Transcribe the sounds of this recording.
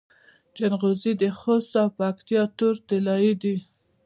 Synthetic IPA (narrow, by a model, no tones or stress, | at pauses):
d͡ʒanɣozid̪əxost̪awpakt̪ijɑt̪uɾt̪ɪlɑjid̪i